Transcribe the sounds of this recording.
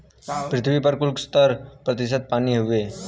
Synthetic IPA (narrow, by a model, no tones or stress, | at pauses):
pɾɪt̪ʰʋipəɾkulkst̪əɾpɾət̪ɪs̬ət̪̚paːniɦuʋe